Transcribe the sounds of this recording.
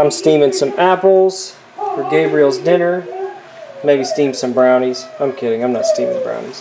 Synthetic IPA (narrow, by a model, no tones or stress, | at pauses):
ãɪ̃mstĩmɪ̃ŋsʌ̃mæpl̩ˠz̥ | fə˞ɡeɪbɹil̩ˠzdɪ̃nə˞ | meɪbistĩmsʌ̃mbɹãʊ̃niz̥ãɪ̃mkʰɪɾɪ̃ŋãɪ̃mnətstĩmɪ̰̃ŋbɹã̰ʊ̃nḭz̥